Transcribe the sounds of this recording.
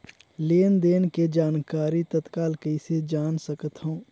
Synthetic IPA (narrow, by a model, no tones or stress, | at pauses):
leːnd̪eːnked͡ʒaːnkaːɾit̪ət̪kaːlkəised͡ʒaːnsəkət̪hõũ